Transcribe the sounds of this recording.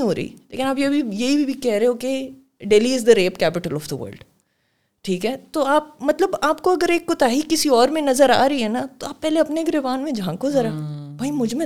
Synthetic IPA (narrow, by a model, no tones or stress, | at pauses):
ɦoːɾɐ̰ḭlḛːkɪnaːpjeɐbʱijɐɦibʱibʱikɛɦɾeɦeõke | ɖeːliɪzd̪əɾeːpkɛːpɪʈəlɔːfd̪əʋə̰ːɾlɖ | ʈʰiːkɦɛːt̪oaːp̚mɐt̪ləbaːpkoɐɡəɾeːkːʊt̪aːɦikːɪsiɔːɾmẽnɐzəɾa̰ːɾɐiɦɛːnat̪oaːpːɛɦːleɐpneːɡɾeʋaːnmẽd͡ʒʱãːkozɐɾabʱaːimʊd͡ʒʱmẽ